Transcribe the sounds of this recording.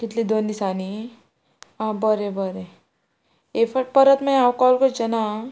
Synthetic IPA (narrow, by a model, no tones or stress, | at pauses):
kit̪liːd̪ond̪isani | ãbəɾebəɾe | efəʈ̚pəɾət̪maawkɔlkod͡ʑena